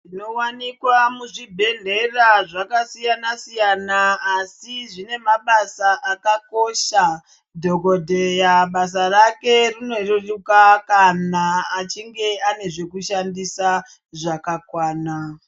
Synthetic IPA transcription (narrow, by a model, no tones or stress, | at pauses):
ino̞wanikwamuʐibʱe̞ɮe̞raʐakasijanasijanaːsiʐine̞maɓasaʔakako̞ʃa | dʱokodʱe̞jaɓas̬arake̞rino̞rorukakanaːt͡ʃiŋɡe̞ane̞ʐe̞kuʃandisa | ʐakakwaːna